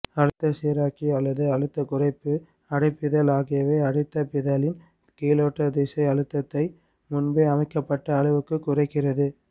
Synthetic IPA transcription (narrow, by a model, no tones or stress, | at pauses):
ɐɻɯt̪ːɐseːɾaːkiɐlːɐðɯɐɻɯt̪ːɐkʊrɐɪpːɯ | ɐɽɐɪpːɪðɐlaːɣɪjɐʋeːɐɽɪt̪ːɐpɪðɐlɪn | kiːloːʈːɐd̪eːsɐɪɐɻɯt̪ːɐt̪ːɐɪ | mʊnbeɐmɐɪkːɐpːɐʈːɐːɻɯʋɯkːɯkːʊrɐɪkːɪrɐðɯ